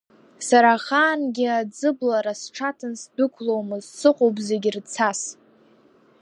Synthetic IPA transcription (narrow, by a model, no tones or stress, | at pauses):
saɾaχaːnɡʲiad͡zɨblaɾasʈ͡ʂʰatʰɨnsdɨkʷʰlowmɨzsɨqʼowpze̞ɡʲɪrt͡sʰas